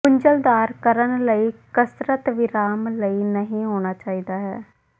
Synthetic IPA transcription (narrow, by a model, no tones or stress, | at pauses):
kʊɲd͡ʒəld̪aːɾkəɾənləiːkəsɾət̪ʋɪɾaːmləiːnəɦĩːɦoːñaːt͡ʃaːiːd̪aːɦɛ̰ː